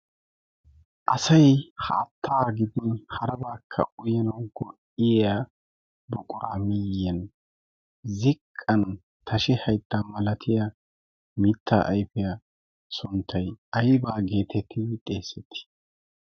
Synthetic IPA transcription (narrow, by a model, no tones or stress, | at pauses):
ʔɐsɐjhɐ̰ːt̪ʰːaːɡɪd̪ɪhɐɾɐbaːkʰːɐ̰ʊjɐnɐwɡɔʔɪja | bʊkʼʊɾɐ̰mɪjɛn | zɪkʼːɐn | t̪ʰɐʃɪhɐjt̪ːaːmɐlɐt̪ʰɪja | mɪt̪ʰːa̰ːʔɐjfɛja | sʊnt̪ʰːɐjɐjbaːɡe̞ːt̪ʰɛt̪ʰːɪt̪ʼeːsɛt̪ʰːɪ̥